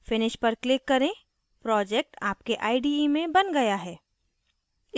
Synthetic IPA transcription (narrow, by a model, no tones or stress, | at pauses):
fɪnɪʃpɐɾklɪkːɐɾẽ | pɾɔːd͡ʒɛːk̚ʈaːp̚keʔaːɪɖiimẽbɐnɡɐjaɦɛː